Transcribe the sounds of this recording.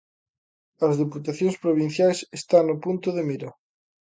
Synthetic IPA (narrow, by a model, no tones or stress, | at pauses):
ɐzðeput̪aθjõŋspɾoβ̞in̟θjajsest̪aŋnʊpunt̪ʊðemiɾa